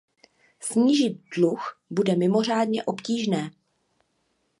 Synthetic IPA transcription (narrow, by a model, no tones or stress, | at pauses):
sɲiːʒɪt̪̚dluxbudɛmɪmo̞r̝aːdɲɛʔo̞pciːʒnɛː